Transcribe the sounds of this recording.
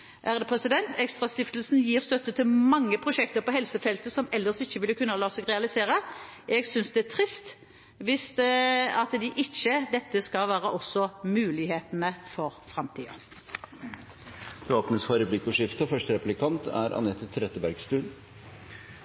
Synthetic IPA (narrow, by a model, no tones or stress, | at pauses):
ʔæʁd̪ɛpʰʁɛsɪd̪ɛnt̪ʰɛkst̪ʁɑst̪ɪft̪lsn̩jiːʁst̪œt̪ːət̪ʰɪlmɑŋːəpʰʁʊʃɛk̚t̪əʁpɔhɛlsəfɛlt̪əsɔmɛlːəsɪçːəʋɪlːəkʉnːɑlɑːsɛɡʁɛɑlɪseːʁəʔɛɡsʏnsd̪ɛæt̪ʰʁɪst̪ | ʋɪst̪ɑt̪d̪ɪʔɪçːəd̪ɛt̪ːəskɑʋæːʁəʔɔsːɔmʉːlɪheːt̪ənəfɔʁfʁɑmt̪ʰiːɑ̰ | d̪oːpnəsfɑɾəblɪkːɔʂɪft̪əfœʂʈəɾɛplɪkʰɑnt̪ʰæ̰ɾɑ̰nɛt̪ɪt̪ʰɾɛt̪ːəbæɾɡst̪ʉːn